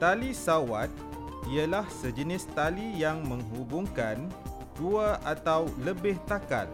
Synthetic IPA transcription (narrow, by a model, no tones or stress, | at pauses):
t̪alisawat̪̚ | ialahsəd͡ʒənɪst̪alijaŋmə̃ŋɦubuŋkan | duaʔat̪awləbɪht̪aka̰l